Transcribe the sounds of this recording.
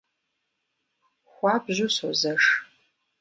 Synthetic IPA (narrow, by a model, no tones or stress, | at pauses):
xʷɑbʑʷʊsozɐʂ